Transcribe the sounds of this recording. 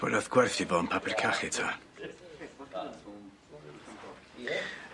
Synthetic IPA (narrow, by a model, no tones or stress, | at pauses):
b̥ɔ̰daθɡ̥wɛrθivɔnpʰapʰɪrkʰaχɪtʰa